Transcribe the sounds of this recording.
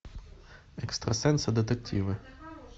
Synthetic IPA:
ɛkst̪ɾɐsɛnsɐd̪et̪ek̚tʲʰiʋɪ

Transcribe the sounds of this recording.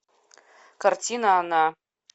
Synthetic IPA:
kʰartʰʲinaːna

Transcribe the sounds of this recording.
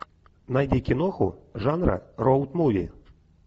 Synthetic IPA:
najd̪ʲikʲinɔxuʐanɾɐ̰rɔwt̪muvʲḭ

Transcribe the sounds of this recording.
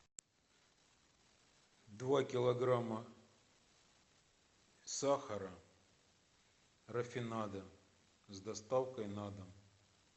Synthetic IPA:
d̪vakʲɪlˠɐɡɾamɐ | saxɐɾɐ | rɐfʲɪnad̪ɐ | zd̪ɐst̪awkɐjnad̪ɐm

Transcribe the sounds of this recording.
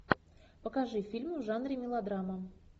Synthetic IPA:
pəkaʐɨfʲilʲmʊʐanɾʲɪmʲɪlˠad̪ɾamə

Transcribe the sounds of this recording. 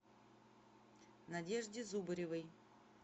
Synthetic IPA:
nɐdʲeʐdʲɪzubəɾʲɪvəj

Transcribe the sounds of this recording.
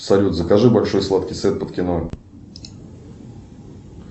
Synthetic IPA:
sɐlʲut̪zəkɐʐɨbɐlʲʂo̞jslˠat̪kʲɪjsvʲe̞t̪̚pət̪kʲɪnoj

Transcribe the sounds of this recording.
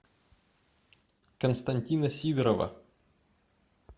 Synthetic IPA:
kɐnst̪ɐnʲt̪ʲinɐsʲiːd̪ɾɔʋɐ̰

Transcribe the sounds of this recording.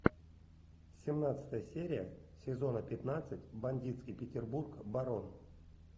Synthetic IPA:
sʲɪmnat̪sɨ̥t̪əjəsʲeɾʲɪjəsʲɪzo̞nəpʲɪt̪nat̪sɨtʲbɐnʲdʲit̪skʲijpʲɪtʲɪrburkbaɾo̞n

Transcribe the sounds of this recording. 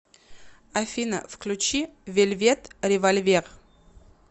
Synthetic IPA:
afʲinə̰fklʲut͡ɕivʲelʲvʲet̪ɾʲɪvalʲvʲer

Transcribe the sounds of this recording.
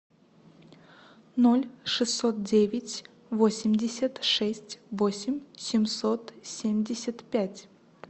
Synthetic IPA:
nolʲʂɨst̪ːot̪̚dʲevʲɪtʲ | vo̞sʲɪmʲdʲɪsʲət̪ʂɛsʲtʲvo̞sʲɪmʲsʲɪmsot̪sʲemʲdʲɪsʲət̪pʲætʲ

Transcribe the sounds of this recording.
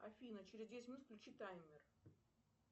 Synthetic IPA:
ɐ̰fʲinət͡ɕɪɾʲɪzd̪ʲest̪ʲmʲɪnut̪fklʲʉt͡ɕit̪ajmʲːɪr

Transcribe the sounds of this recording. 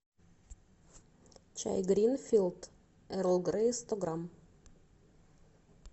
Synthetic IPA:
t͡ʃæ̰ɪɡɾiːnfiːlt̪ | ʔæɾɔlɡɾeɪst̪ɑɡɾɑm

